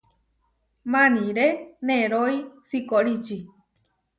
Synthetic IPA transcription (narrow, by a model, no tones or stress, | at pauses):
mãnĩɾenẽɾoisikoɾit͡ʃi